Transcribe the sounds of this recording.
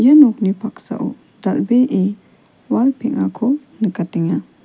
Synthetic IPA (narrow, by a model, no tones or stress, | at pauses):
janɔk̚nipʰaksa̰ʔṵ | d̥ɐlbeʔe | walpʰiŋakʰo | nɨkat̪iŋa